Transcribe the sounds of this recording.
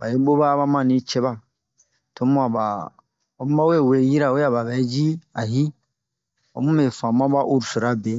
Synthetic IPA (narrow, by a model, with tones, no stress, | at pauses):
ba˨ji˦bo˦ba˦βa˦mã˨nĩ˦t͡ʃɛ˦ba˦˨ | tʰo˦mu˦a˨ba˨ | o˨˦m˦ba˦we˦˨we˨˦ji˦ɾa˨we˦a˨ba˨bɛ˨˦d͡ʒi˦a˨ɦi˦ | ɔ̰˨mũ˦me˨fã˨ma˦ba˦ʔu˦˨ɾu˨su˨ɾa˦be˨˦